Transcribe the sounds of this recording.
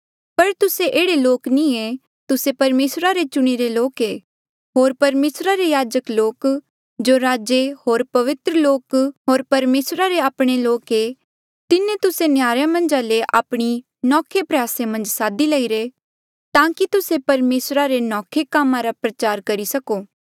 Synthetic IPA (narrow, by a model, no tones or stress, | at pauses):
pɐɾt̪ʊseʔeːɽeloːknĩe | t̪ʊsepɐɾmeːsɾaɾet͡ʃʊɽ̃iɾeloːkeː | ɦoːɾpɐɾmeːsɾaɾejaːd͡ʒəkloːk | d͡ʒoːɾaːd͡ʒeɦoːɾpɐʋɪt̪ɾəloːkɦoːɾpɐɾmeːsɾaɾeaːpɽ̃eloːke | t̪ɪnẽt̪ʊsenjaːɾjamɐ̃nd͡ʒaleʔa̰ːpɽ̃i | nɔːkʰepɾɐjaːsemɐ̃nd͡ʒsaːd̪ilɐiɾe | t̪ãːkit̪ʊsepɐɾmeːsɾaɾenɔːkʰekaːmãɾapɾɐt͡ʃaːɾkɐɾisɐkoː